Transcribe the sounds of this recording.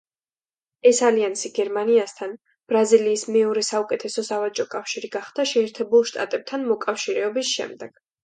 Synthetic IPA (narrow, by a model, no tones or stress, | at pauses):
ɛsaliansiɡɛɾmaniast̪ʰan | b̥ɾaziliːsmɛɔɾɛsaukʼɛt̪ʰɛsɔsavat͡ʃʼɔkʼafʃiɾiɡaχd̪̥aʃɛːɾt̪ʰɛbulˠʃt̪ʼa̰t̪ʼɛb̚t̪ʰanmɔkʼafʃiɾɛɔbisʃɛ̰md̪ɛɡ̥